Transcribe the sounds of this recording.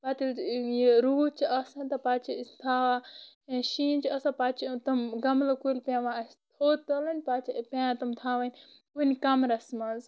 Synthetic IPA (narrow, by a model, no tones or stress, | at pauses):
baːt̪iljeɾuːt͡ʃʰiɐsɐ̃nʲt̪ɐpaːt͡ʃʰit̪ʰaːʋa | ʃiːnt͡ʃʰɐsãpaːt͡ʃʰit̪ɐmɡɐmlɐkulʲpʲãːʋãːɐst̪ʰoːt̪ɐlɐnʲpaːt͡ʃʰipʲãːt̪ɐmt̪ʰaːʋɐnʲ | kunikɐmɾɐsmɐːz